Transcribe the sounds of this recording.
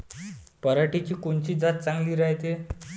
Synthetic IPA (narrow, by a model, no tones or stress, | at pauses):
pəɾaʈit͡ɕiːkoɳt͡ɕiːd͡zat̪̚t͡sãŋɡliːɾaɦt̪e